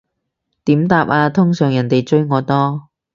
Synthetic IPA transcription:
t̪iː˨˥mt̪aː˧p̚ʔaː˧t̪ʰʊ˥ŋsœː˨˩ŋjɐ˨˩nt̪e˨jt͡ʃɵ˥ɥŋɔː˨˧t̪ɔː˥

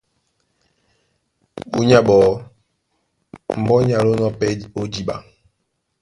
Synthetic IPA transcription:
ɓṵ˦ɲa˦ɓɔː˨ | m̩˨bɔ˦ɲ˦a˨lo˦nɔ˦pɛ˦o˦di˦ɓa̰˨

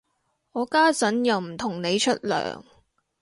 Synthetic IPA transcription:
ɔː˨˧kaː˥t͡sɐ˨˥njɐ˨˩wm̩˨˩t̪ʰʊ˨˩ŋne˨˧jt͡ʃʰɵ˥t̚lœ̰ː˨˩ŋ

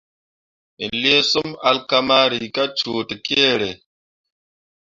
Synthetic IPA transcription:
i˨n˨le˦su˦ma˨lka˦ma˦ɾi˨ka˦t͡ʃuː˨ti˨ke˦˨ɾe˨

